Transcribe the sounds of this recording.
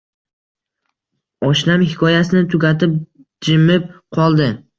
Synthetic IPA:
ɒʃnamhɪkʰɒjasɪnɪt̪ʰʊɡʲat̪ɪp̚ | d͡ʒɪmɪp̚qʰɒlˠd̪ɪ

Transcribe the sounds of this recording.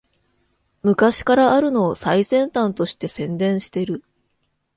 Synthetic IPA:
mɯ̟kaɕi̥kaɾaːɾɯ̟no̞ːsaisẽ̞nt̪ãnt̪o̞ɕi̥t̪e̞sẽ̞nd̪ẽ̞ɰ̃ɕi̥t̪e̞ɾɯ̟

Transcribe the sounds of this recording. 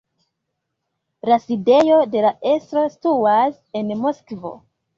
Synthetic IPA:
laside̞jo̞de̞laʔe̞stɾo̞stuas | e̞nmoskvo̞̰

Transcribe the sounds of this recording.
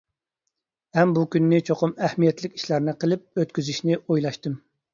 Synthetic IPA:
ɛmbukʲynːɪt͡ʃʰoqʰʊmɛhmijɛt̪lɪkʲi̥ʃlæɾnɨqʰəlˠɪp̚øt̪kʲyzyʃnɪʔojlˠɑʃt̪ɨm

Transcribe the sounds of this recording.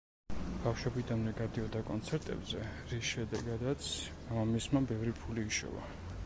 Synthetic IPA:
b̥afʃwɔbid̪anmɛɡad̪iɔd̪akʼɔnt̪sʰɛɾt̪ʼɛ̰bzɛɾisʃɛd̪ɛɡad̪at̪sʰ | amismabɛvɾipʰuliːʃɔ̰va̰

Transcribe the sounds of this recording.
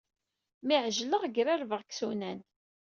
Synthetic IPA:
miʕʒləʁɡɾæɾvəʁksunæn

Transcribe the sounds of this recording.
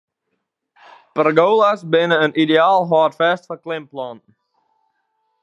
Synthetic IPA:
pɾəɡoːlˠəsbɪ̃nə̃nidialˠɦɑːˑtfɛstfəklɪ̃mplɔ̃n

